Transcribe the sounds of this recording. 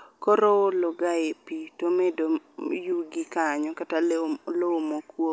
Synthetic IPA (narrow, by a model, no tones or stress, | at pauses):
koɾoolɔɡaepitomedojuɡikaɲɔkataloomokwo